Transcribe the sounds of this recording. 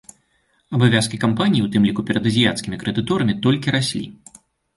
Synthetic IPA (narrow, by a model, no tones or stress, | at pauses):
ɐbavʲaskʲikampanʲijiwt̪ɨmlʲikupʲɛɾɐd̪ɐzʲija̰t̪skʲimʲikɾɨd̪ɨt̪ɔɾɐmʲit̪ɔlʲkʲiɾasʲlʲḭ